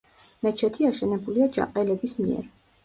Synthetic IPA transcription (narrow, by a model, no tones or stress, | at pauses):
mɛt͡ʃʰɛt̪ʰiaʃɛnɛbuliad͡ʒa̰qʼɛlɛbismḭɛ̰ɾ